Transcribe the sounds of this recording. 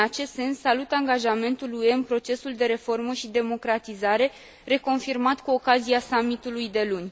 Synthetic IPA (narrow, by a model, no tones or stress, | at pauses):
at͡ʃe̞st̪se̞nsːalut̪aŋɡaʒame̞nt̪ulue̞ɨnpɾo̞t͡ʃe̞suld̪e̞ɾe̞fo̞rməʃid̪e̞mo̞kɾat̪izaɾe̞ | re̞ko̞nfirmat̪kuo̞kaziasamit̪ulujd̪e̞lunʲ